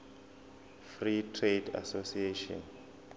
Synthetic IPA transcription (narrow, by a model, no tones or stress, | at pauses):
fritʰreda̰sosieʃɔ̰n